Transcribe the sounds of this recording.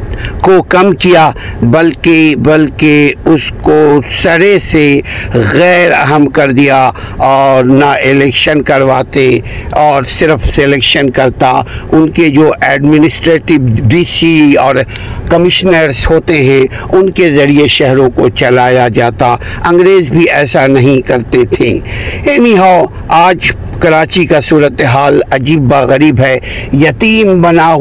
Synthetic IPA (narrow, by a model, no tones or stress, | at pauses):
kokɐmkijabɐlkebɐlkeʊskosɐɾeseɣɛːɾɐ̰ɦəmkɐɾd̪ija | ɔːɾnaʔɪlɛːkʃənkɐɾʋaːt̪eɔːɾsɪɾfselɛːkʃənkɐɾt̪a̰ʊnked͡ʒoːʔɛːɖmɪnɪsʈɾeːʈɪʋɖiːsiɔːɾkɐmɪʃnəɾzhoːt̪eɦɛ̃ | ʊnkezɐɽieʃɛɦɾõkot͡ʃɐlaːjad͡ʒaːt̪aɐ̃ŋɡɾeːzbʱiɛːsanɐɦĩkɐɾt̪et̪ʰẽːeːniɦao | aːd͡ʒ | kɐɾaːt͡ʃikasuːɾət̪eɦaːlɐd͡ʒiːbːaɣɐɾiːbɦɛjɐt̪iːmbɐna